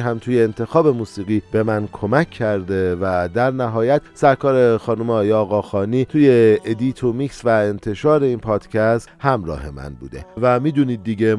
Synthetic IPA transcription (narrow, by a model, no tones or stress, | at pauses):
ɦæmt̪ʰuːjeːnt̪ʰe̞xɒːbe̞muːsiːɣiːbe̞mænkʰo̞mæcʰːæɾd̪evæd̪æɾnæɦɒːjæt̪sæɾkʰɒːɾe̞xɒːnumeɒːjeɒːɣɒːxɒːniːt̪ʰuːje̞ed̪iːt̪ʰomiksvæent̪ʰe̞ʃɒːɾe̞iːnpʰɒːd̪̥cʰæst̪hæmɾɒ̰ːhe̞mæ̰nbṵːd̪e̞̰væmiːd̪uniːd̪̚ːiɟe